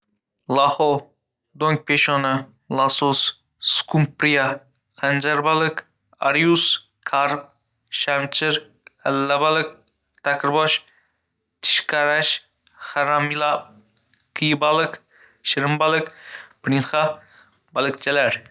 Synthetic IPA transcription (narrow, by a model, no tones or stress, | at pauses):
lˠahɔ | d̪oŋk̚pʰeʃɔnɪ | lˠasos | skʰumpɾija | qand͡ʒaɾbalɪk | a̰ɾjus | kʰaɾp̚ | ʃamt͡ʃʰɪɾ | alːabalɪk̚ | t̪ʰakʰɾbɔʃ | t̪ʰɪ̥ʃqʰaɾaʃ | haɾamilˠa | kʰijbalɪk | ʃɪɾɪmbalɪkpɾiŋχa | balˠɨkt͡ʃʰalaɾ